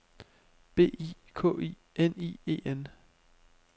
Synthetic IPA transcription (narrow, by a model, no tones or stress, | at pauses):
b̥e̝̰ːḭ | kʰɔ̰̽ːḭː | enḭːe̝̰ːen